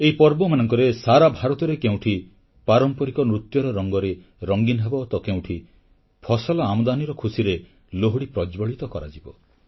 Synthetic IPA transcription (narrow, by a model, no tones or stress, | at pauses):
eɦipɔɾbɔmanɔŋkɔɾesaɾabʱaɾɔt̪ɔɾekeũʈʰi | paɾɔmpɔɾikɔnɾut̪jɔɾɔɾɔŋɡɔɾe | ɾɔŋɡinɦebɔt̪ɔkew̃ʈʰi | pʰɔsɔlɔamd̪aniɾɔkʰusiɾe | loɦuɽipɾɔd͡ʒbɔɭit̪ɔkɔɾa̰d͡ʒibɔ